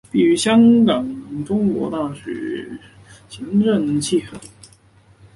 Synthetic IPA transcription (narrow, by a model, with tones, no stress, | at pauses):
pi˥˩y˧˥ɕjɑ˥ŋkɑ˨˩ŋʈ͡ʂʊ˥ŋkwɔ̰˧˥t̪a˥˩ɕɥɛ̰˨˩˦ | ɕi˧˥ŋʈ͡ʂə˥˧nt͡ɕʰi˥˩ə˨˩